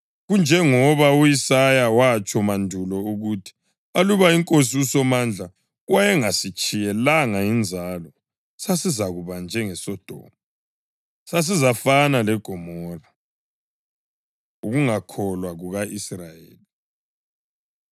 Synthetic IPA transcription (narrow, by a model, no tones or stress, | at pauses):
ɣund͡ʒʱɛŋɔβaujisajawat͡ʃʼɔmandʱulɔuɣutʰi̥ | aluβaiŋkʼosiusɔmand͡ɮʱa | wajɛŋasit͡ʃʼijɛlaŋaind͡zʱalɔ | sasizaɣuβand͡ʒʱɛŋɛsɔd̥ʱɔ̰ːmu | sas̬izafanalɛɡ̥ʱɔmɔra | uɣuŋakʰɔlwaɣuɣaʔisrajḛːli